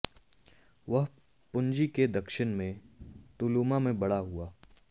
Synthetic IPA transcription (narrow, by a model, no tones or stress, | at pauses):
ʋɐɦ | pʊ̃ɲd͡ʒiked̪ɐkʃɪnmẽt̪ʊluːmamẽbɐɽaɦuaː